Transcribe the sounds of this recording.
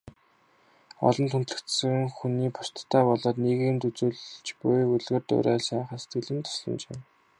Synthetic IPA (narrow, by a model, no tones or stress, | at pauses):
ɔ̰ɮɞ̆nt̪ʰun̥t̪ɮɘ̆kt̪sɘ̆ŋxuniːpʰʊ̥r̥t̪ʰːaːpɔɮɔːt̪niːɣɘːnt̪ut͡suːɮt͡ɕpʊjuɮɣɘ̆rt̪ʊ̰ɾæːɮsæːχə̆se̥t̪ɡɘ̆ɮɘ̆nt̪ʰʊ̥sɮɞ̆mt͡ɕḛː